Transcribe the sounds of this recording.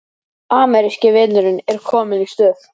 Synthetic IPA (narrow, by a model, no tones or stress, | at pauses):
aːmɛɾɪscɪvɪnʏɾʏnɛɾ̥kʰɔːmɪnist̪œːθ